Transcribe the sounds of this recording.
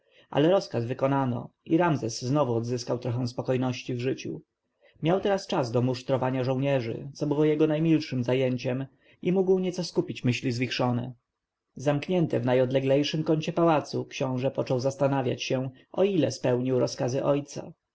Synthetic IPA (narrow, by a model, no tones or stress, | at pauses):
ʔa̰lɛɾɔskazvɘkɔnanɔ̰ʔiɾamzɛsːnɔvuɔd̪zɘskawt̪ɾɔxɛ̃w̃spɔkɔjnɔɕt͡ɕivʐɘt͡ɕṵ | mʲjawt̪ɛɾast͡ʂazd̪ɔmuʂt̪ɾɔvaɲaʐɔ̃wɲɛʐɘ̰t̪sɔbɘwɔjɛɡɔnajmʲilʂɘmzajeɲt͡ɕɛm | ʔimuɡwɲɛt̪sɔskupʲit͡ɕmɘɕlʲizvʲixʂɔnɛ̰ | zamkɲɛnt̪ɛvnajɔd̪lɛɡlɛjʂɘmkɔɲt͡ɕɛpawat̪sukɕɔ̃w̃ʐɛpɔt͡ʂɔwzast̪anavʲja̰t͡ɕɕɛ | ʔɔilɛspɛwɲiwɾɔskazɘʔɔjt̪sa̰